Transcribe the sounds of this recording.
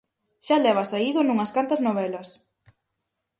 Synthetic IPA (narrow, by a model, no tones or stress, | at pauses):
ʃalɛβɐsaiðʊnuŋɐskant̪ɐznoβ̞ɛlɐs